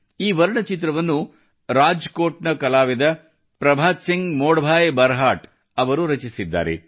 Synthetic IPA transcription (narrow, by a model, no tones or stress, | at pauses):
iːʋɐɾɳɐt͡ʃit̪ɾɐʋɐnːu | ɾaːd͡ʒkoːʈnɐkɐlaːʋed̪ɐ | pɾɐbʱaːt̪siŋɡmoːɽɐbʱaːjebɐɾɦaːʈ | ɐʋɐɾuɾɐt͡ʃisid̪ːa̰ːɾḛ